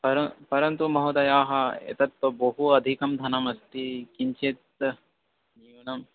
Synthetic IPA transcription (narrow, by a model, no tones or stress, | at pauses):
pɐɾɐpɐɾɐnt̪umɐɦod̪ɐjaːɦɐḛt̪ɐt̪ʋɐbɐɦuɐd̪ʱikɐmd̪ʱɐnɐmɐst̪ikiɲt͡ʃet̪̚ | nijunɐm